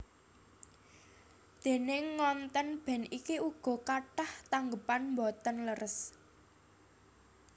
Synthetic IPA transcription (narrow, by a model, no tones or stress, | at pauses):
d̪̥e̤nɪŋːɔnt̪ənb̥ɛ̤nikiuɡ̥ɔ̤kaʈaht̪aŋɡəpanmbɔt̪ənləɾəs